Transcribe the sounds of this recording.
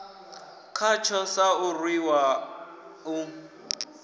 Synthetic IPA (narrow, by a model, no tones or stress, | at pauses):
kʰat͡ʃʰɔsaʊrwiwa | ʊ